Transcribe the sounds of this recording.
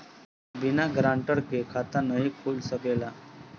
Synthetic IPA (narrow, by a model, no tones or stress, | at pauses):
binaɡɾaɳʈəɾkekʰat̪anəɦikʰolsəkela